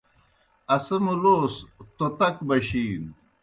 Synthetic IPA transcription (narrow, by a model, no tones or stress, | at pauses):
ɐsɐmuloːst̪ot̪ɐkbɐɕiːn